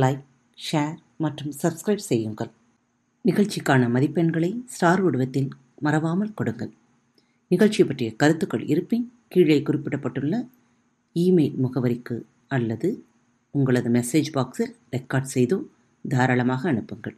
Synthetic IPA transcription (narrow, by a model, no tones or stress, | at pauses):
lɐɪk̚ | ʂeːɾ | mɐʈrɯmsɐbskɾɐɪbsɛjːɯŋɡɐɭ | nɪɣɐɭt͡ʃːikːaːnɐmɐðɪpːɐɳɡɐɭɐɪsʈaːɾʊɽɯʋɐt̪ːɪl | mɐɾɐʋaːmɐlkɔɽɯŋɡɐɭ | nɪɣɐɭt͡ʃːɪjɐpːɐʈrɪjɐkɐɾɯt̪ːɯkːɐɭɪ̰ɾɯpːɪnkiːɭɐɪkʊrɪpːɪɽɐpːɐʈːɯɭːɐ | iːmeɪlmʊɣɐʋɐɾɪkːɯ | ɐlːɐðɯ | ʊŋɡɐɭɐðɯmɛseːd͡ʒbaːksɪlɾɛkːaːɖsɛjðoː | d̪ʱaːɾaːɭɐmaːɣɐːɳɯpːɯŋɡɐ̰ɭ